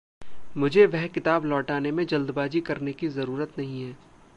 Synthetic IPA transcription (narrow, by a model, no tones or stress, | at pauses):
mʊd͡ʒʱeʋɛɦkɪt̪aːblɔːʈaːnemẽd͡ʒɐld̪baːd͡ʒikɐɾnekizɐɾuːɾət̪nɐɦĩɦɛː